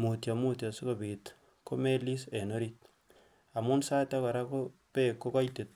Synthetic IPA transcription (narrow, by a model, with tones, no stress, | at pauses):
mu˨tja˨mu˦tja˨su˦ko˨bit | ko˦me˦li˦se˨no˦ɾit̚ | a˨mu˦nsa˦ta˦kɔ˨ɾa˦ko˦pe˦kːo˦kɔ˦jte˨t̚